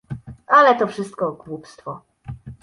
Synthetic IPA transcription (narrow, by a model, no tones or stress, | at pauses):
alɛt̪ɔfʂɘst̪̚kɔɡwupst̪fɔ